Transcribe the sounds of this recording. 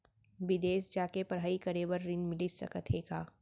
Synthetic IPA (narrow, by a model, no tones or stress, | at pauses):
ʋɪd̪eːsd͡ʒaːkepɐɾɦaːikəɾeːʋəɾːɪnmɪlisɐ̰kət̪ʰekaː